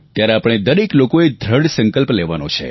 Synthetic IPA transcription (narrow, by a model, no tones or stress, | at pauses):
t̪jaɾeapəɳ̃ed̪əɾeklokoed̪ʱɾəɽsə̃ŋkəlpleʋanot͡ʃʰḛ